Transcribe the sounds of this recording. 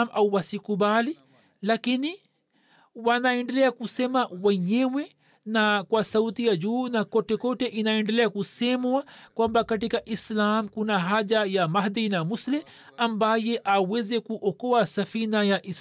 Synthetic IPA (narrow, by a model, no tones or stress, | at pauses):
mʔawwasikubali | lakini | wanaɛɳɖɛlɛakusɛmawɛɲɛwɛ | nakwasaut̪iad͡ʒuːnakɔtɛkɔtɛʔinaɛɳɖɛlɛakusɛmwakwambakaʈikaʔislamkunaɦad͡ʒajamahd̪inamusli | ambajɛʔawɛzɛkuʔɔkɔasafinajaʔis